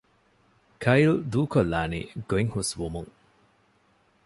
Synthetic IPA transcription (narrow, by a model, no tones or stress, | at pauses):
kʰɐjld̪uːkolːaːnḭːɡoiŋhusʋumuŋ